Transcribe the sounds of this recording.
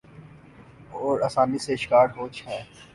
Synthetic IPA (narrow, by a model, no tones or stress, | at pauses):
ɔːɾɐsaːmiseʃkaːɾɦoːt͡ʃhɛ̃ː